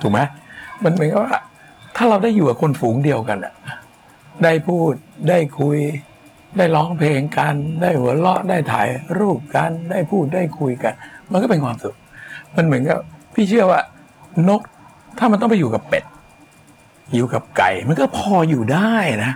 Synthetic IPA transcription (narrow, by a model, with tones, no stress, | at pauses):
t̪ʰu˨˩k̚ma˦˥jma˧nmɯ˨˩˦nka˨˩waː˥˩ | t̪ʰaː˥˩ɾa˧wdaː˥˩jːuː˨˩ka˨˩kʰo˧nfuː˩˦ŋdi˧əwka˧nʔa̰˨˩˧ | daː˥˩jpʰuː˥˩t̪̚daː˥˩jkʰu˧j | daː˥˩jlɔː˦˥ŋpʰleː˧ŋka˧ndaː˥˩jhu˩˦lɔ˦˥ʔdaː˥˩jt̪ʰa̰ː˩˦jɾuː˥˩p̚ka˧ndaː˥˩jpʰuː˥˩t̪̚daː˥˩jkʰu˧jka˧nma˧nkɔ˥˩pe˧nkʰwaː˧msu˨˩k̚ma˧nmɯ˩˦ənka˨˩p̚pʰiː˥˩t͡ɕʰɯ˥˩əwaː˥˩ | no˦˥k̚ | t̪ʰaː˥˩m˧nt̪ɔ˥˩pa˨juː˨˩ka˨˩pːḛ˨˩t̪̚ | juː˨˩ka˨˩p̚ka̰˨˩jma˧nkɔː˥˩pʰɔː˧juː˨˩daː˥˩jna˦˥